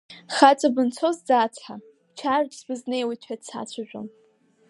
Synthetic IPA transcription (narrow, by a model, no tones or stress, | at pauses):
χat͡sʼabɨnt͡sʷʰozd͡zat͡sʰħa | t͡ʃʰard͡ʒʼzbɨznejwitʷʰadsʰa̰t͡ɕʷʰaʒᶣʷo̰n